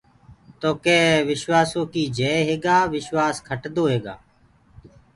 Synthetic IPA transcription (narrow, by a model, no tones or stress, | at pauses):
t̪oːkeːʋɪʃʋaːsõːkiːd͡ʒeːɦeːɡaːʋɪʃʋaːskʰəʈd̪oːɦeːɡa̰ː